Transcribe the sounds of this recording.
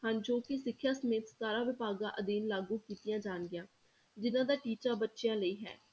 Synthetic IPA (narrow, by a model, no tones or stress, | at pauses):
hãnd͡ʒoːkɪsɪkʰːjaːsəmeːt̪saːɾãːʋɪpaːɡãːʔəd̪iːnlaːɡuːkiːt̪ɪjãːd͡ʒaːnɡɪjãː | d͡ʒɪnãːd̪aːʈiːt͡ʃaːbətːʃɪjãːləiːɦɛ̰ː